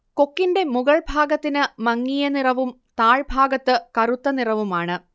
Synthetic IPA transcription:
ko̞kːinde̞muɣɐɭbʱaːɡɐt̪ːinɨmɐŋːijɐnirɐʋum | t̪aːɭbʱaːɡɐt̪ːɨkɐrut̪ːɐnirɐʋumaːɳɨ

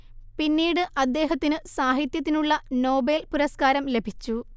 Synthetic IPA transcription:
pinːiːɽɨʔɐd̪ːe̞ːɦɐt̪ːinɨsaːɦit̪jɐt̪ːinuɭːɐno̞ːbelpuɾɐskaːɾɐmle̞bʱit͡ɕːu

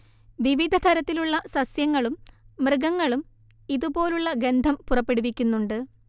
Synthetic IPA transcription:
ʋiʋid̪ʱɐt̪ʰɐɾɐt̪ːiluɭːɐsɐsjɐŋːɐɭumːrɨɡɐŋːɐɭum | iðubo̞ːluɭːɐɡe̞nd̪ʱɐmpurɐpːe̞ɽuʋikʲːunːuɳɖɨ

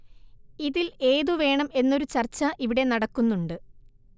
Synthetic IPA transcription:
iðile̞ːðuʋe̞ːɳɐme̞nːo̞ɾut͡ɕɐrt͡ɕːɐʔiʋiɽe̞nɐɽɐkːunːuɳɖɨ

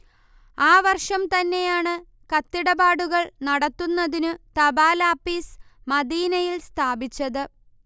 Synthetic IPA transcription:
aːʋɐrʂɐmt̪ɐnːe̞jaːɳɨ | kɐt̪ːiɽɐbaːɽuɣɐɭnɐɽɐt̪ːunːɐðinɨt̪ɐbaːlaːpːiːs | mɐd̪iːnɐjilst̪ʰaːbit͡ɕːɐðɨ

